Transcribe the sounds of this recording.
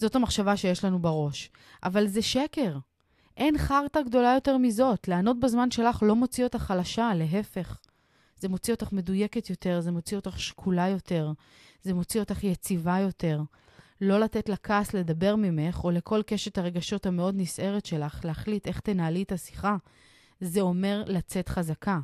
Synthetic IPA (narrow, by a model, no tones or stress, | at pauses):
z̥o̞tamaχʃavaʃejeʃlanubaʁo̞ʃ | ʔavalzeʃeke̞ʁ | ʔe̞nχaʁtaɡdo̞lajo̞te̞ʁmizo̞tlaːno̞t̚bezmanʃe̞laχlo̞mo̞t͡sio̞t̪aχalaʃale̞ɦe̞fe̞χ | z̥e̞mo̞t͡sio̞taχme̞duje̞ke̞t̪jo̞te̞ʁzemot͡sio̞t̪aχʃkʰulajo̞te̞ʁ | zemo̞t͡sio̞t̪aχjet͡sivajo̞te̞ʁ | lo̞latetlakaːsle̞dabe̞ʁmime̞χo̞le̞kʰo̞lkeʃet̪aʁe̞ɡaʃo̞thame̞o̞d̪nisʔe̞ʁe̞tʃe̞laχleaχlit̪e̞χt̪enaːlitasi̥χa | zeo̞me̞ʁlat͡se̞t̪χazaka